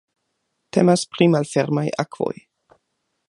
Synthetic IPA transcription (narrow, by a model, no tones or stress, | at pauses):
tʰe̞maspɾimalfeɾmajʔakv̥o̞̰j